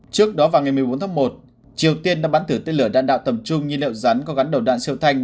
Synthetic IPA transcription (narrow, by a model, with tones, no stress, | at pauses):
t͡ɕɨ˦˥ək̚ɗɔ˨˦vaː˨˩wŋa˨˩jmɨ˨˩əjɓo˨˦nt̪ʰːmo˨˩t̚ | t͡ɕi˨˩əwt̪i˧ənɗaː˧˥ɓaː˨˦nt̪ʰɨ˧˩t̪e˧nlɨ˧˩ə˩ɗa̰ː˧˨nɗa̰ː˧˨wt̪ə˨˩m̚t͡ɕʊ˧ŋ͡mɲɨ˧lḭ˧˨wza˨˦nkɔ˨˦ɣa˨˦nɗə˨˩wɗa̰ː˧˨nsi˧əwt̪ʰa˧jŋ̟